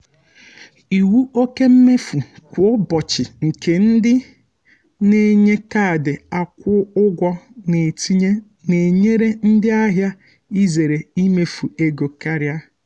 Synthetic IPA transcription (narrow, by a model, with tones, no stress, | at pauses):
i˨wu˦o˦ke˦m̩˦me˦fu˨kʷʊ˨˦bɔ˨t͡ʃɪ˨ŋ̩˨ke˨n̩˦dɪ˦ | ne˦ɲe˦ka˦˨dɪ˨a˨kʷʊ˦ʊ˦ɡʷɔ˦ne˨ti˦ɲe˦ | ne˨ɲe˦ɾe˦n̩˦dɪ˦a˦ɦja˦ | i˦ze˨ɾe˨i˦me˦fu˨e˦ɡo˨ka˦ɾja˦